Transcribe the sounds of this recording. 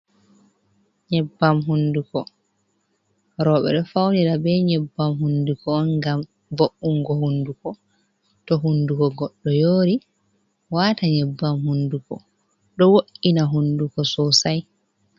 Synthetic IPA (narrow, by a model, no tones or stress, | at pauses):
ɲɛbːamɦundukɔ | ɾɔːɓɛ̰ɗɔfawniɾabɛɲɛbːamɦundukɔːnɡam | boʔːuŋɡɔɦundukɔ | tɔɦundukɔɡɔɗːɔjoːɾi | waːtaɲɛbːamhundukɔ̰ | ɗɔwoʔinaɦundukɔsɔsaj